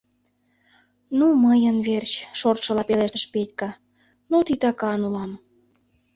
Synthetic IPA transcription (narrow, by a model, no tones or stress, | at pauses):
numəjənβert͡ɕʃort̪ʃə̆lɑpeleʃt̪əʃpetʲkə̆ | nut̪it̪ɑkɑnulɑm